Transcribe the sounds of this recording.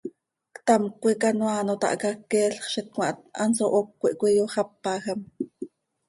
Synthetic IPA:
kt̪ɑmkʷikɑnwɑːnot̪ɑ̰ʔkakːɛːɬχʃɛt̪̚kmɑ̰ʔt̪̚ɑ̰nsoʔokʷːiʔkʷijoχɑpːɑːxam

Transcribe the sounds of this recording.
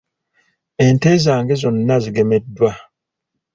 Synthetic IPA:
entezaːŋɡezunnazɡemet̚dua

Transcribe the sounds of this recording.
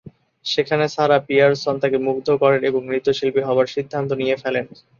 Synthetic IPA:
ʃekʰaneʃaɾapijaɾsɔnt̪akemukd̪ʱokɔɾeɾeboŋɾit̪oʃilpiɦɔoaɾʃid̪ʱːant̪̬onijefɛlen

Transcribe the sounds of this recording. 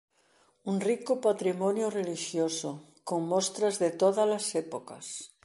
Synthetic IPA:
uŋrikʊpat̪ɾimɔnjʊreliʃjoso | koŋmost̪ɾazðet̪oðalasɛpoka̰s

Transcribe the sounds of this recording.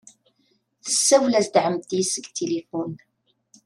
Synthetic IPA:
θə̥sːæwlæzd̪ʕəmt̪jisəɡt̪ʰːilifun

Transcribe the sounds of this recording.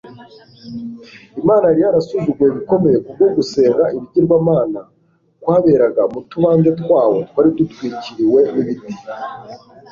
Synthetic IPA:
imaːnaɾijaɾasuʒuɡueβiko̞me̞je̞kub̚ɡo̞ɡuse̞ːŋɡaʔiβiɟiɾɡwaːmaːna | kwaːβe̞ɾaɡamutuβaːnze̞tkwaːwo̞tkwaɾidutwiːciɾiwe̞niβiti̥

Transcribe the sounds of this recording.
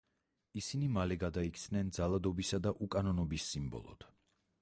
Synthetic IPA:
isinimalɛɡad̪aik̪ʰsnɛnd̪zalˠad̪ɔbisad̪aʔukʼanɔnɔbisːimbɔ̰lˠɔ̰d̪̥

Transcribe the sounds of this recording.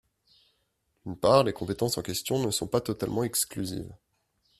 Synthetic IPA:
d̪̥ynpaʁlekɔ̃pet̪ɑ̃sɑ̃kʲɛst̪jɔ̃nəsɔ̃pat̪ɔt̪almɑ̃ɛksklyzḭːv

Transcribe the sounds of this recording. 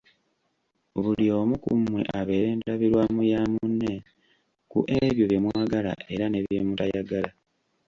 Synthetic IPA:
βulio̞mukṵmwe̞̰ʔaβe̞ːɾe̞ːnaβiɾwamujamunːe̞ | kṵʔe̞βjoβje̞mwaːɡala̰ʔe̞ɾane̞βjemutajaɡala

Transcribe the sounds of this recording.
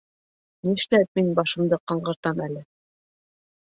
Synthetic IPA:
niʃlæp̪̚minbɑʃɤ̆md̪ɤqɑɴɢɤ̆ɾt̪ɑmælɘ

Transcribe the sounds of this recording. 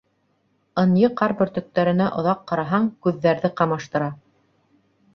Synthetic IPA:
ɤ̆njɤqɑɾbɵ̆ɾt̪ɵ̆k̚t̪æɾɘ̆næʔŏðɑqːɑɾɑɦɑɴkʉðːæɾðɘqɑmɑʃt̪ɤ̆ɾɑ

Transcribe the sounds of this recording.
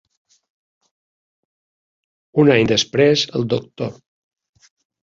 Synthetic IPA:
unaɲd̪əspɾezəlˠd̪uk̚t̪o

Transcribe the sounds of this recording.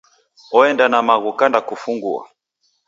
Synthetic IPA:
ɔɛndanamaɣukandakufuŋɡṵa̰

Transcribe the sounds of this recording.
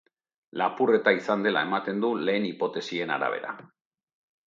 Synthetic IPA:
lapure̞t̪aisand̪e̞la̰e̞mat̪e̞nd̪ule̞ːnipo̞t̪e̞sie̞na̰ɾa̰βe̞̰ɾa̰

